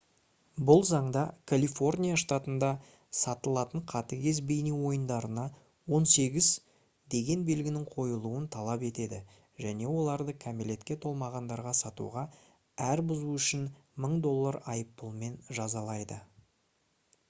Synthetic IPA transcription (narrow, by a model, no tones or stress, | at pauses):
bʊlˠzɑɴd̪ɑkʰalʲifo̞rnʲijaʂt̪at̪ənd̪ɑ | sɑt̪əlˠɑt̪əɴqʰɑt̪əkʲe̞zbejniwo̞jənd̪ɑɾənɑ | wo̞nse̞ɡʲɪz | d̪e̞ɡʲe̞nbe̞lɡʲɪnɪŋqʰo̞jəlˠuənt̪ʰɑlˠɑpe̞t̪e̞d̪ɪ | ʒæne̞wo̞lˠɑɾd̪əkʰamilʲe̞t̪kʲe̞t̪ʰo̞lˠmɑʁɑnd̪ɑɾʁɑsɑt̪ṵʁɑ | æɾbʊzuʏʃɪn | məɴd̪o̞lˠːɑɾɑjəpːʊlˠme̞nʒɑzɑlˠɑjd̪ə